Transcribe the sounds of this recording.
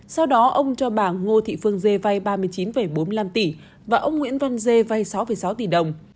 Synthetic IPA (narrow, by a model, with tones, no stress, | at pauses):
sa˧wɗɔ˨˦ʔə˧wŋ͡mt͡ɕɔ˧ɓaː˧˩ŋo˧t̪ʰḭ˧˨fɨ˧əŋze˧va˧jɓaː˧mɨ˧əjt͡ɕi˨˦nfə˧˩jɓo˨˦nmi˧la˧mt̪i˧˩ | vaː˨˩ʔə˧wŋ͡mŋwḭ˧˥ənva˧nze˧va˧jsa˨˦wfə˧˩jsa˨˦wt̪i˧˩ɗə˨˩wŋ͡m